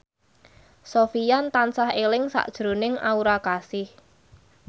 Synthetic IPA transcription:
sofijant̪ansahelɪŋsa̰ʔd̥ʒ̥ɾo̤nɪŋa̰uɾakasɪh

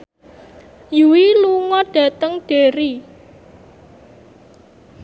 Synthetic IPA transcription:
juwiluŋɔɖ̥ä̤t̪əŋɖ̥eɾi

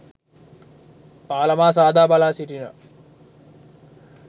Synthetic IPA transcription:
paːləmaːs̬aːd̪ʱaːbalaːsiʈinə̰

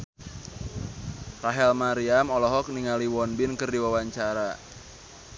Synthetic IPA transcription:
raɦɛlmaɾiamɔlɔɦɔk̚niŋaliwɔnbɪnkɨrdiwawaɲt͡ʃaɾa

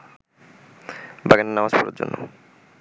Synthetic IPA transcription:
baɡanenamaspɔɾa̰ɾd͡ʑo̰nːʔo̰

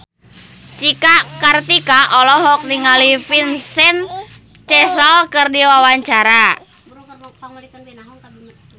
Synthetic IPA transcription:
t͡ʃikakart̪ikaʔɔlɔɦɔk̚niŋalipinsɛn | t͡ʃɛsɔlkɨrdiwawaɲt͡ʃaɾa

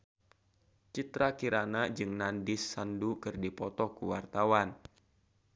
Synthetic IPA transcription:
t͡ʃit̪ɾakiɾanad͡ʒɨŋnandɪsːandukɨrdipɔt̪ɔkuwart̪awan

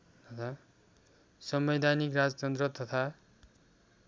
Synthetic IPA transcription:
t̪ʌt̪ʰa | sʌmʌd̪ʱanikrad͡zʌt͡sʌnd̪rʌt̪ʌt̪ʰa

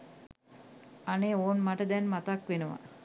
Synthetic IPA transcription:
aneoːnmaʈəd̪ɛnmat̪akʋenəʋa̰

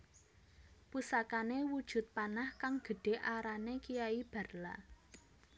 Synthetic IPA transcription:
pusakanewud̥ʒ̥ṳt̪̚panahkaŋɡ̥ə̤ɖ̥e̤ʔaɾanekijaib̥ä̤rla̰

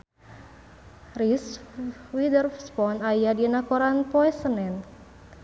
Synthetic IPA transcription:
riswidərfspɔnajadinakɔɾanpɔɛsənɛn

